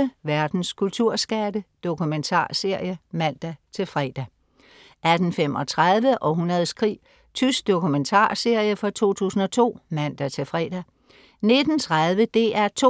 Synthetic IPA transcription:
əʋæɐd̥n̩skʰult͡sʰuɐ̰sɡ̥ædəd̥o̝kument͡sʰɑ̰̈ːse̝ɐ̰jəmæn̰d̥æt͡sʰe̝lfʁɛ̰ːd̥æ | ʔæd̥n̩fem̰ɒ̽t͡sʰʁaðˠʋəʔɒ̽ɦunɐð̞ˠskʰʁḭː | t͡sʰysɡ̥̚d̥o̝kument͡sʰɑ̰̈ːse̝ɐ̰jəfɒt͡sʰo̝̰ːt͡sʰṵːsn̩ɒ̽t͡sʰo̝̰ːmæn̰d̥æt͡sʰe̝lfʁɛ̰ːd̥æ | ne̝d̥n̩t͡sʰʁaðˠʋəd̥e̝̰æɐt͡sʰo

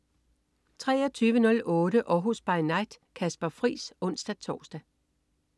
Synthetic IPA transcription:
t͡sʰʁɛ̰ːɒt͡sʰyːʋənɔ̽lʔɔ̽ːɾəʔɒɦusb̥ɑ̈ɪnɑ̈ɪd̥ | kʰæsb̥ɐfʁḭːsɔ̽n̰sd̥æt͡sʰɒ̰ːsd̥æ

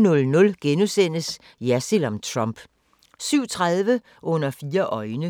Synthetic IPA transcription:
nɔ̽lnɔ̽lɡ̥enusen̰əs | jæsilɒmt͡sʰʁɒmb̥ | syʊ̰t͡sʰʁað̞ˠʋə | ʔɔ̽n̰ɐfiːɐʔɒ̽ɪnə

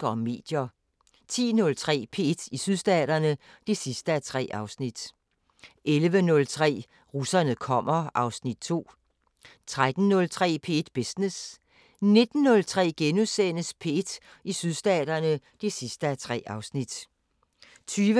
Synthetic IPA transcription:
ɒme̝̰ːd̥jɐ | t͡sʰḭːnɔ̽lt͡sʰʁɛ̰ːpʰe̝ed̥isyð̞ˠsd̥ɛ̰ːd̥ɐnə | d̥e̝sisd̥əæt͡sʰʁɛ̰ːʔɑ̈ʊsnid̥ | ʔelʋənɔ̽lt͡sʰʁɛ̰ː | ʁusɐnəðˠkʰɒ̽m̰ɐʔɑ̈ʊsnid̥̚t͡sʰo̝̰ː | t͡sʰʁad̥n̩ːɔ̽lt͡sʰʁɛ̰ːpʰe̝̰d̥b̥esnes | ne̝d̥n̩ːɔ̽lt͡sʰʁɛ̰ːɡ̥enuðˠsenəspʰe̝ed̥ | isyðˠsd̥ɛ̰ːd̥ɐnə | d̥e̝sisd̥əæt͡sʰʁɛ̰ːɑ̈ʊsnid̥ | t͡sʰyːʋə

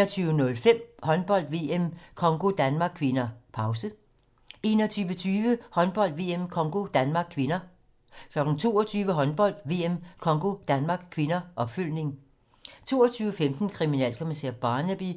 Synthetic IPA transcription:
ɐt͡sʰyːʊənɔ̽lfem̰hɒ̽nb̥ɒ̽l̰d̥ʋe̝emkʰɒ̽ŋɡ̥o̝d̥ænmɑ̈ɡ̥̚kʰʋe̝nɐpʰɑ̈ʊsə | e̝ːnɒt͡sʰyːʋət͡sʰyːʋəhɒ̽nb̥ɒ̽l̰d̥ʋe̝ːemkʰɒ̽ŋɡ̥o̝d̥ænmɑ̈ːɡ̥̚kʰʋe̝nɐ | kʰlɒ̽ɡ̥n̩t͡sʰo̝̰ːɐt͡sʰyːʋəɦɒ̽nb̥ɒ̽l̰d̥ʋe̝ːemkʰɒ̽ŋɡ̥o̝d̥ænmɑ̈ːɡ̥kʰʋe̝nɐʔɒ̽b̥føl̰ne̝ŋ | t͡sʰo̝̰ːɐt͡sʰyːʊəfemd̥n̩kʰʁiminɛ̰l̰kʰomiseɐ̰b̥ɑ̈ːnəb̥i

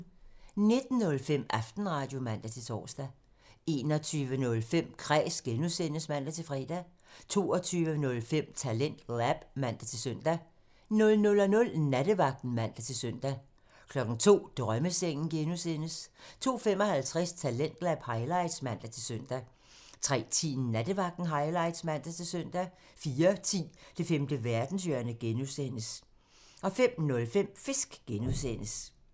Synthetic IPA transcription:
ne̝d̥n̩nɔ̽lfem̰ɑ̈fd̥n̩ʁɑ̈d̥jo̝mæn̰d̥æt͡sʰe̝t͡sʰɒ̰ːsd̥æ | e̝ːnɒt͡sʰyːʋənɔ̽lfem̰kʰʁɛ̰ːsɡ̥enusen̰əsmæn̰d̥æt͡sʰe̝fʁɛːd̥æ | t͡sʰo̝̰ːɒ̽t͡sʰyːʋənɔ̽lfem̰t͡sʰælen̰d̥læb̥mæn̰d̥æt͡sʰe̝lsœn̰d̥æ | nɔ̽lnɔ̽lɒnɔ̽lnæd̥əʋɑ̈ɡ̥̚d̥n̩mæn̰d̥æt͡sʰe̝lsøn̰d̥æ | kʰlɒ̽ɡ̥n̩t͡sʰo̝̰ːd̥ʁœməseŋ̰n̩ɡ̥enusen̰əst͡sʰo̝̰ːfemɒ̽hælt͡sʰʁɛst͡sʰælen̰d̥læb̥hɑ̈ɪlɑ̈ɪd̥smæn̰d̥æt͡sʰe̝lsøn̰d̥æ | t͡sʰʁɛ̰ːt͡sʰḭːn̩næd̥əʋɑ̈ɡ̥̚d̥n̩ɦɑ̈ɪlɑ̈ɪd̥smæn̰d̥æt͡sʰe̝sœn̰d̥æ | fiːɐt͡sʰḭːd̥e̝femd̥əʋæɐd̥n̩sjø̰ɐnəɡ̥enusen̰əs | ɒ̽fem̰nɔ̽lfem̰fe̝sɡ̥ɡ̥enusenəs

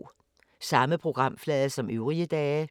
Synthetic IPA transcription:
sɑ̈məpʰʁo̝ɡ̥ʁɑ̈m̰flɛːðˠɐsɒ̽mʔøʊʁiəd̥ɛː

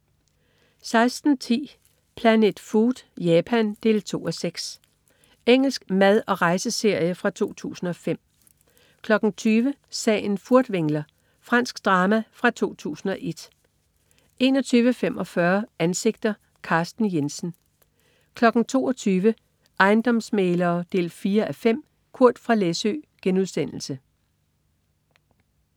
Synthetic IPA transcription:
sɑ̈ɪsd̥n̩t͡sʰḭː | pʰlæne̝d̥fuːd̥jɛːpʰænd̥e̝ːlt͡sʰo̝̰ːɒ̽seɡ̥s | eŋ̰l̩sɡ̥mæð̞ˠɒ̽ʁɑ̈ɪsəse̝ɐ̰jəfʁɑ̈t͡sʰo̝̰ːt͡sʰṵːsn̩ɒ̽fem̰ | kʰlɒ̽ɡ̥n̩t͡sʰyːʋəsɛ̰ːɪnfuɐd̥ʋeŋ̰lɐ | fʁɑn̰sɡ̥d̥ʁɑ̈ːmæfʁɑ̈t͡sʰo̝̰ːt͡sʰṵːsn̩ɒ̽ʔe̝d̥ | e̝ːnɒ̽t͡sʰyːʋəfem̰ʔɒ̽fɶɐænse̝ɡ̥̚d̥ɐ | kʰɑ̈ːsd̥n̩jensn̩ | kʰlɒ̽ɡ̥n̩t͡sʰo̝̰ːɒt͡sʰyːʋə | ʔɑ̈ɪnd̥ɒ̽msmeːlɐːd̥e̝̰ːlfiːɐʔæfem̰ | kʰuɐ̰d̥fʁɑ̈lesø̰ːɡ̥enuðˠsen̰l̩sə

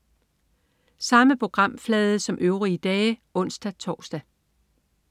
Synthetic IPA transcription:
sɑ̈məpʰʁo̝ɡ̥ʁɑ̈m̰flɛːð̞ˠəsɒ̽mʔøʊʁiəd̥ɛːɪɔ̽n̰sd̥æt͡sʰɒ̰ːsd̥æ

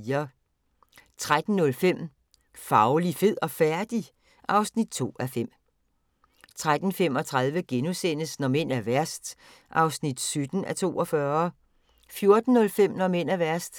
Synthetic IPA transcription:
ɐ | t͡sʰʁad̥n̩ːɔ̽lfem̰ | fɑ̈ʊlife̝ð̰ˠɒ̽fæɐd̥i | ʔɑ̈ʊsnid̥̚t͡sʰo̝̰ːæfem̰ | t͡sʰʁad̥n̩fem̰ɒ̽t͡sʰʁað̞ˠʋəɡ̥enusen̰əsnɒ̽men̰æɐʋæɐ̰sd̥ | ʔɑ̈ʊsnid̥sød̥n̩æt͡sʰo̝̰ːʔɒ̽fɶːɐ | fjo̝ɐd̥n̩ːɔ̽lfem̰nɒ̽men̰æʋæɐ̰sd̥

